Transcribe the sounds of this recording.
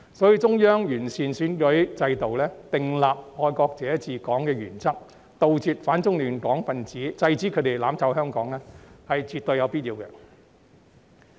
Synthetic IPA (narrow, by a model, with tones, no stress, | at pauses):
sɔː˨˥jiː˧t͡sʊ˥ŋjœː˥ŋjyː˨˩nsiː˨nsyː˨˥nkɵ˨˥jt͡sɐ˧jt̪o˨wlɛː˥t̪ɪ˨ŋlaː˨p̚hɔː˧jkɔː˧k̚t͡sɛː˨˥jt͡siː˧kɔː˨˥ŋkɛː˧jy̰ː˨˩nt͡sɐ˥k̚ | t̪o˨wt͡siː˧t̚faː˨˥nt͡sʊ˥ŋlyː˨nkɔː˨˥ŋfɐ˨nt͡siː˨˥t͡sɐ˧jt͡siː˨˥kʰt̪e˨jlaː˨˧˥mt͡sɐ˨˧˥wɦœː˥ŋkɔː˨˥ŋlɛː˥hɐ˨jt͡syː˨t̚t̪ɵ˧jɐ˨˧wpiː˥t̚jiː˨˧wkɛ̰˧